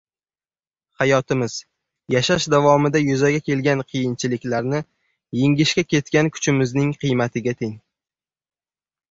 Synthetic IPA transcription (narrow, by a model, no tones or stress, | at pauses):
hajɒt̪ɪmɪz̥ | jaʃaʃd̪avɒmɪd̪ajʊzaɡʲakʲʰe̞lɡʲanqʰɨjɪnt͡ʃʰɪlɪkʲlaɾnɪ | jeŋʲɪʃkʲakʲe̞t̪̚kʲankʰʊ̥t͡ʃʰɪmɪznɪŋqʰɨjmat̪ʰɪɡʲat̪ʰeŋ